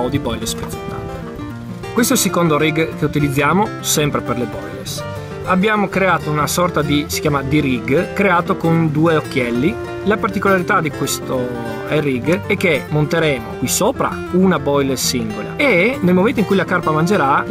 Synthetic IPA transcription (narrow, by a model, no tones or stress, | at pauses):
od̪ibɔjlespet̪so̥t̪ːa̰t̪e | kwest̪oɛlsekond̪oɾiɡkeut̪ilid̪zːjaːmo | sɛmpɾeperlebɔ̰jlḛs | abːjaːmokɾeaːt̪ounasɔrt̪ad̪isi̥kjaːmad̪iɾiɡkɾeaːt̪okond̪uːeokːjɛlːi | lapart̪ikolaɾit̪ad̪ikwest̪o | ɛriɡɛk̟ːemont̪eɾɛːmokwisoːpɾa̰ | unabɔjlesiŋɡola̰enelmoment̪oiŋkujlakarpamand͡ʒeɾa